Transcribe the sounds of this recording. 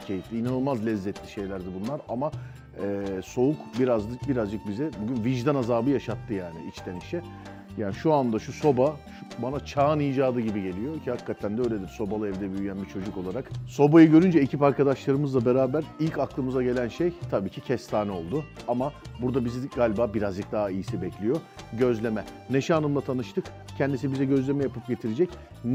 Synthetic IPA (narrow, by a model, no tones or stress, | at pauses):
cʰe̞jit̪lʲiːnanɯlˠmazlʲɛzːɛt̪ʰlʲiʃe̞jlʲæɾd̪ibunlˠaɾama | ɛːso̞ukbiɾazbiɾazd͡ʒɯk̚bizɛbuɟynviʒd̪anazaːbɯjaʃat̪ʰːɯjaːnɪ̰ʔit͡ʃt̪ʰeniʃɛ | jaːniʃuand̪aʃuso̞baʃu̥banat͡ʃʰaːnijd͡ʒaːd̪ɯɟibiɟe̞lʲijo̞cʰihakʰːat̪ʰænd̪ɛøjlʲed̪iɾso̞balˠɯɛvd̪ɛbyjyjænbit͡ʃʰo̞d͡ʒuko̞lˠaɾakso̞bajɯɟø̞ɾynd͡ʒɛecʰipaɾkʰad̪aʃlˠaɾɯmɯzlˠabe̞ɾaːbæɾilʲcaklˠɯmɯzaɟe̞lʲænʃejt̪ʰabiːcʰicʰɛst̪ʰaːnɛo̞lˠd̪uamabuɾd̪abizɡaːlʲbaːbiɾazd͡ʒɯk̚d̪aːaijisibɛclʲijo̞ɟø̞zlʲe̞mɛ | neʃaːnɯmlˠat̪ʰanɯʃt̪ʰɯk | cʰɛnd̪isibizɛɟø̞zlʲe̞mɛjapʰɯp̚ɟe̞t̪ʰiɾed͡ʒɛc